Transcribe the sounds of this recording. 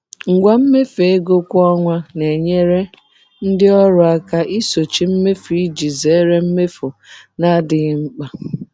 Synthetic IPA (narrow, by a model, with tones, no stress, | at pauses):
ŋ̩˨ɡʷa˦m̩˦me˦fe˨e˦ɡo˦kʷɔ˦ŋʷa˦ne˨ɲe˦ɾe˦ | n̩˦dɪ˦ɔ˦ɾʊ˨a˦ka˦ʔi˦so˨t͡ʃi˦m̩˦me˦fi˦d͡ʒi˨ze˨˦ɾe˦m̩˦me˦fo˨na˦dɪ˨ɣŋ͡m̩˦k͡pa˨